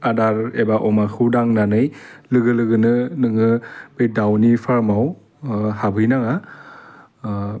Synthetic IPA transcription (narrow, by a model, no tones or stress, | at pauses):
adaɾebaʔɔmakʰɯdaŋnanɯjlɯɡɯlɯɡɯnɯnɯŋɯb̥ɯjdawnipʰaɾmaw | habʱɯjnaŋa